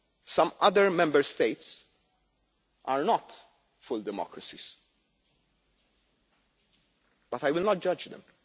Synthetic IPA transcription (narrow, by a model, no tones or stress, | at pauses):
sɐ̃mɐd̪əɹmɛ̃mbəɾst̪eɪt̪s | ʔaɹnɔt̪ | fʊld̪ɛmɔ̰kɾɐsis | b̥ɐt̪ajwɪlnɔt̪̚d͡ʒɐd͡ʒd̪ɛ̰̃m